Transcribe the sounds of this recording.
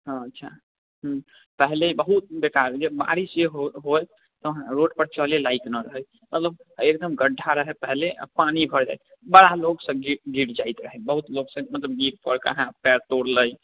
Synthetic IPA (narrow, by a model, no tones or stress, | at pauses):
ɦɔ̃ətːʃʰa̰ | ɦ | pəɦlebəɦut̪̚bekaɾd͡ʒebba̰ɾisjeɦɦoj | t̪ɔɦãɾoɖpəɾt͡ʃəlelaik̪nəɾəɦəj | mət̪ləb̚ek̚d̪əmɡəɖʱaɾəɦɛpəɦlḛpanibʱəɾd͡ʒa̰jt̪̚ | bəɽaloɡsə̃ɡiɡiɾd͡ʒajt̪ɾəɦɛbəɦut̪loɡsə̃mət̪ləbɡiɾpəɽkə̰ɦãpɛɾt̪oɽləj